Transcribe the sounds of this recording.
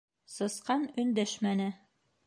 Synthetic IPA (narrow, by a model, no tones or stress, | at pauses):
sɤ̆sqɑnɵ̆nd̪æʃmænɘ